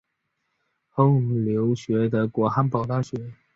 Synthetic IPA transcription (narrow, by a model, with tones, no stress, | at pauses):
xo˧˥ʊ˨˩ljo˧˥ʊɕɥɛ˧˥d̪ə˧kwɔ˧˥xa˧˥npɑ˨˩ʊt̪a˥˩ɕɥɛ˧˥